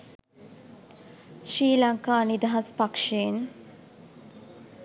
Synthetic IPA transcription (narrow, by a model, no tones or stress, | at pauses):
ʃɾiːlaŋkaːnid̪aɦaspakʂeːn